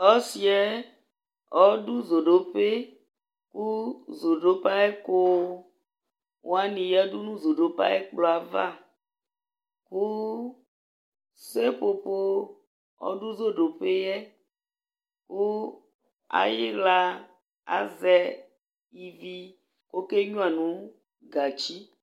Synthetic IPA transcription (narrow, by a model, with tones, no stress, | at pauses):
ɔ˦si˨˦ɛ˦ | ɔ˦ɖu˦zo˨ɖo˨pe˦ | ku˦zo˨ɖo˦pa˦ɛ˦ko˦ | wʔo˦a˦nĩ˨jɛ˦ɖu˦nũ˦zo˨ɖo˨pa̰˦ɛ˦k͡plɔ˨a˨va˦ | ku˦ | se˦po˨po˦ | ɔ̰˦ɖu˦zo˦ɖo˨pe˦jɛ˦ | ku˦ | a̰˨ji˦la˦ | a̰˨zɛ˦ | i˨vi˦ | ko˦ke˦ɲũ˦a˨nũ˨˦ | ɡa˨t͡ʃi˦